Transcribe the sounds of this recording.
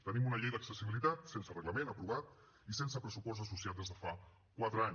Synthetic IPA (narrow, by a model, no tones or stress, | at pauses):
t̪ənimunəʎejðəksəsiβilit̪at̪sensərəɣləmenəpɾuβat̪ | isensəpɾəsupɔst̪əs̬us̬iat̪̚d̪ezðəfa | kwat̪ɾəaɲ